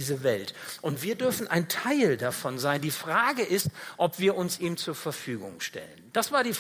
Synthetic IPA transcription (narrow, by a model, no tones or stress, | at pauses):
iːzəvɛltʔʊntv̥iːɐdʏɐfn̩ʔa̰ɪntʰaɪldafɔnzaɪndiːfʁ̥aːɡəʔɪstʔɔpv̥iːɐʔʊnsʔiːmt͡suːɐfɛɐfyːɡʊ̰ŋʃtɛ̰lənd̥asv̥aːɐdiː